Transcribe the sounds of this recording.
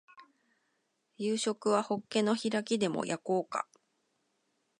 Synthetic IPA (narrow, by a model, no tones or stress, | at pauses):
jɯːɕo̞kɯ̟βaho̞kːe̞no̞çiɾakʲid̪e̞mo̞̰jʔako̞ːka̰